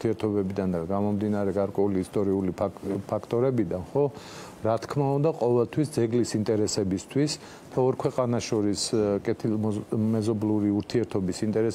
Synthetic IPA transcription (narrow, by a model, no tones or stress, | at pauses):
t̪ʰiɛɾt̪ʰɔbɛbid̪and̪aɡamɔmd̪inaɾɛɡaɾkʼwɛuliːst̪ʼɔɾiulippʰakʰt̪ʼɔɾɛbid̪anχɔ | ɾat̪ʰkʰmaund̪aqʼɔvɛlt̪ʰwisd̪zɛɡlisint̪ʼɛɾɛsɛbist̪ʰwis | t̪ʰaɔɾkʰwɛqʼanaʃɔɾiskʼɛt̪ʰilmɛzɔbluɾiuɾt̪ʰiɛɾt̪ʰɔbisint̪ʼɛɾɛs